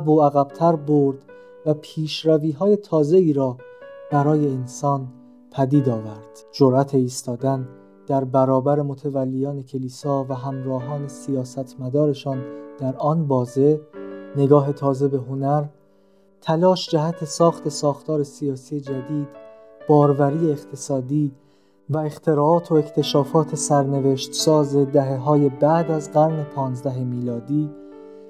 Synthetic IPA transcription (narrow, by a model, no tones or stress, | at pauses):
æboæɣæb̥t̪ʰæɾboɾd̪̥ | væpʰiːʃɾæviːɦɒːje̞t̪ʰɒːze̞iːɾɒːbæɾɒːje̞ːnsɒːn | pʰæd̪iːd̪ɒːvæɾd̪̥d͡ʒoɾʔæt̪ʰe̞iːst̪ɒːd̪æn | d̪̥æɾbæɾɒːbæɾe̞mot̪ʰevælːejɒːne̞cʰe̞liːsɒːvæɦæmɾɒːɦɒːne̞sijɒːsæt̪ʰmæd̪ɒːɾe̞ʃɒːnd̪̥æɾɒːnbɒːze̞ne̞ɡɒːɦe̞t̪ʰɒːze̞be̞ɦo̞næɾ | t̪ʰælɒːʃd͡ʒæɦæt̪ʰe̞sɒːxt̪ʰe̞sɒːxt̪ʰɒːɾe̞sijɒːsije̞d͡ʒæd̪iːd̪̥ | b̥ɒːɾvæɾiːeeχt̪ʰe̞sɒːd̪iː | væe̞xt̪ʰe̞ɾɒːɒːt̪ʰo̞ekʰt̪ʰe̞ʃɒːfɒːt̪ʰe̞sæɾne̞veʃt̪sɒːze̞d̪æɦe̞ɦɒːje̞bæʔd̪æzɢæɾne̞pʰɒːnzd̪æɦe̞miːlɒːd̪iː